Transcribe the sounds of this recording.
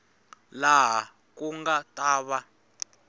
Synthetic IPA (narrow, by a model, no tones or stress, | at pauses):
laɦa | kuŋɡatʼaːβa